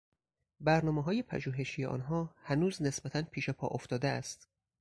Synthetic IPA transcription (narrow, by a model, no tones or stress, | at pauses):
bæɾnɒːmeɦɒːjepʰæ̰ʒuːɦe̞ʃijeʔɒ̰ːnɦɒːhænuːzne̞sbæt̪ʰænpʰiːʃepʰɒ̰ːʔoft̪ɒːd̪eæ̰st̪